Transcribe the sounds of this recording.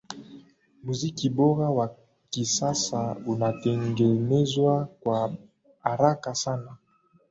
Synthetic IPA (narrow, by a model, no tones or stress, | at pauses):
muzikiboɣawa | kisasaunatɛŋɡɛnɛzwakwa | aɾakasana